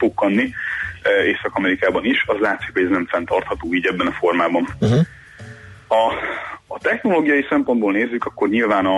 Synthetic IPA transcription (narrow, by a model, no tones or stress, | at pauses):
tokːɒnːi | eːsɒkɒmɛɾikaːbɒniʃɒzlaːt̪sikhoɟɛznɛɱfɛnt̪ɒrt̪hɒt̪oːiːɟɛbːɛnɒfo̞rmaːbɒn | ɒː | t̪ɛxno̞loːɡijɒjisɛmpo̞nd̪boːlneːzːykɒkːo̞rɲilvaːnɒ